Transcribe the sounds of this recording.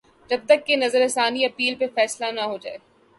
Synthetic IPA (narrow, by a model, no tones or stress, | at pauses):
d͡ʒɐb̚t̪ɐkːenɐzəɾesaːniɐpiːlpefɛːslanaɦod͡ʒaːeː